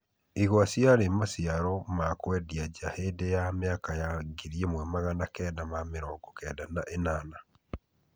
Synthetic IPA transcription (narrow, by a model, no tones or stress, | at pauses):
iɣwasiaɾemasiaɾɔmakwɛdiaɟahedejameakajaɡiɾiemwɛmaɣanakɛdamameɾɔːɡɔkɛːdanaʔenaːna